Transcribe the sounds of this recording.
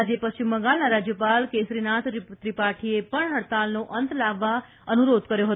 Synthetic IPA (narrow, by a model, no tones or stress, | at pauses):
d͡ʒepət͡ʃʰiməɡalnaɾad͡ʒjəpalkesɾinat̪ɾt̪ɾipaʈʰiepəɳɦəɽt̪alnoʔənt̪laʋːa | ənuɾod̪kəɾjoɦət̪